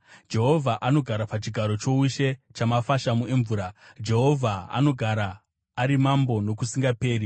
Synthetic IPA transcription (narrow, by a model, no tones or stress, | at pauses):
d͡ʒe̞ɦo̞vʱaʔano̞ɡʱaɾapat͡ʃiɡʱaɾo̞t͡ʃo̞uʃet͡ʃamafaʃamueɱvuːɾad͡ʒe̞ɦo̞vʱaa̰no̞ɡʱaɾaː | ɾimambo̞no̞kusiŋɡape̞ːɾi